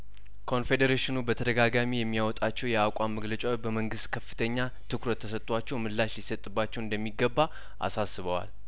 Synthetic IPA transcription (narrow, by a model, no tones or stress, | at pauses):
kʰo̞nfe̞d̪əɾeʃɪnubət̪ʰəd̪əɡaɡamijɛmːijawɔt̪ʼat͡ʃːɛwjɛakʷʼamːəɡlət͡ʃʼawbəməŋɡɨst̪kʰəfːɨ̥t̪ʰəɲːa | t̪ʰɨkɾət̪ʰːəsət̪ʼwat͡ʃːɛwmɨlːaʃlisət̪ʼːɨbːat͡ʃːɛwɨnd̪əmːiɡəbːa | ʔa̰sasːɨβəwa̰l